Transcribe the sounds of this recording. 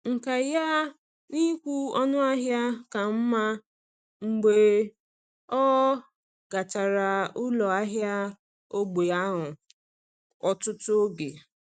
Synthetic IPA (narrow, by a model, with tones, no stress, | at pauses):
ŋ̩˨ka˨ja˦ | ni˦kʷu˦ɔ˦nʊ˦a˦ɦja˦ka˨m̩˦ma˦ | ŋ͡m̩˨ɡ͡be˨ | ɔ˦ | ɡ̥a˨t͡ʃa˨ɾa˨ʊ˦lɔ˨a˦ɦja˦ | o˦ɡ͡be˨a˦ɦʊ˨ | ɔ˨tʊ˦to˦ɡe˨